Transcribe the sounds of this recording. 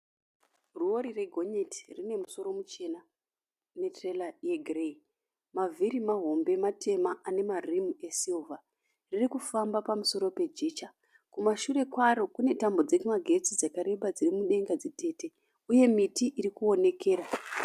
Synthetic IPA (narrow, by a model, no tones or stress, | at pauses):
ruo̞ɾire̞ɡʱo̞ɲeti̥rine̞muso̞ɾo̞mut͡ʃe̞na | ne̞trelajeɡʱrei | maviɾimaɦo̞mbe̞matʰe̞maʔane̞marimue̞siluvʱa | ririkufambapamuso̞ɾo̞pe̞d͡ʒe̞ːt͡ʃa | kumaʃuɾe̞kwaɾo̞kune̞tambo̞d͡zekumaɡʱe̞t͡sid͡zakaɾe̞ɓad͡zirimuɗe̞ŋɡad͡zite̞ːte̞ | uje̞mitiʔiɾikuo̞ne̞ke̞ːra